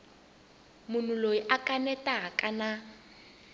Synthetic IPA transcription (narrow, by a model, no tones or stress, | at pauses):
mʊn̤uloiʔakʼanɛtʼaakʼana